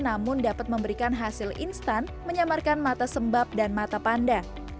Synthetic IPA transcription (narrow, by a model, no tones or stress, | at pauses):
namʊndapat̪̚məmbəɾikanɦasɪlʔḭnst̪anməɲamarkanmat̪asəmbap̚danmat̪apanda